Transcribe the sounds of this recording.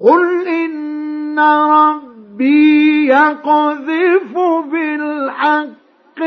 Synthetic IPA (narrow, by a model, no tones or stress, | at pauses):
qʊlʔɪnːaɾˤɑbːijaqɑðɪfʊbɪlħaqː